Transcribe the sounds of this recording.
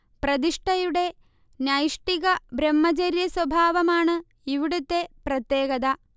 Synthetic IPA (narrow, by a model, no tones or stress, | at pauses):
pɾɐd̪iʂʈɐjuɽe | njaːjiʂʈikɐbɾɐmːɐt͡ʃɐɾjɐswɐbʱaːʋɐmaːɳɨ | iʋiɽut̪ːepɾɐt̪jeːɡɐd̪a